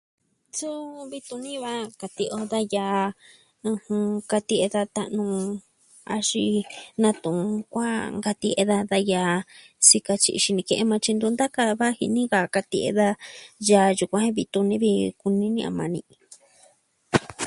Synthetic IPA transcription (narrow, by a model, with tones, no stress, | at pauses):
su˦βi˧t̪ũ˧nĩ˦βa˦ka˧t̪i˧ʔo˧ða˦ja˧ | ɨ̃˧hũ˧ka˧t̪i˧e˧ða˧t̪a˧ʔnũ˧ | a˧ʃi˧nã˧t̪ũ˨˧kʷa˦ŋɡa˧t̪i˧ʔe˧ða˧ða˧ja˧ | si˧ka˧t͡ʃi˧i˧ʃi˧nĩ˧kẽ˧ʔe˧mã˧t͡ʃi˧nd̪u˧nd̪a˦ka˧βa˦hḭ˧nĩ˦ɣa˧ka˧t̪i˧ʔḛ˧ða˧ja˧ju˧kʷã˧˦hẽ˦βi˧t̪u˧nĩ˦βi˧ku˧nĩ˦nĩ˧ʔã̰˧mã˧nĩ˧